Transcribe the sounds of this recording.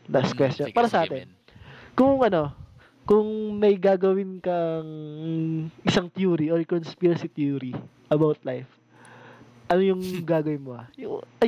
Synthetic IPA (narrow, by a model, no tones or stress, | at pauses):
laskwɛst̪jonpaːɾɐsɐʔaːt̪ɛn | kʊŋŋʔɐno̞ | kʊŋmɐjɡaːɡɐwɪnkɐʔŋ | ʔɪsaŋt̪juːɾiʔoɾkonspiɾɐsit̪juːɾiʔɐbawt̪̚lajf | ʔɐnojʊŋɡaːɡɐwɪnmohɐ̰jʊŋʔɐ